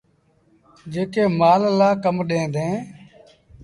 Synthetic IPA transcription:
d͡ʒeːkeːmaːllaːkəmɗẽːnd̪ẽː

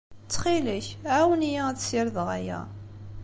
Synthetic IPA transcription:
t͡sːχiləçʕæwənijææθsiɾðʁæjæ̰

